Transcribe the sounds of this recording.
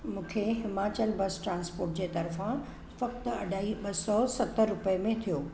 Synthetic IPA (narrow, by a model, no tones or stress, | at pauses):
mũːkʰeɦɪmaːt͡ɕəlbɐsʈɾãːnspoːɾʈd͡ʑeːt̪ɐɾfã | fɐkt̪ɐɖʱaːiɓɐsɔsɐt̪əɾːʊpəmẽt̪ʰijoː